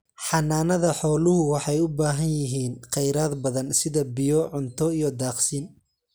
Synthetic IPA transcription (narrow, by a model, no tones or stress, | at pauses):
ħɑnaːnɐðɐħɔːlʊɦʊwɑħɑjʊbaːɦɐnjɪɦiːnqɛjɾaːd̪bɐðɐnsɪðɐbɪjɔʕʊnt̪ʰɔijɔd̪aːqsiːn